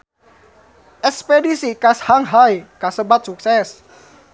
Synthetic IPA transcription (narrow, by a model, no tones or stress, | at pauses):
ʔɛkspedisikashaŋɦajkasəbat̪̚suk̚sɛs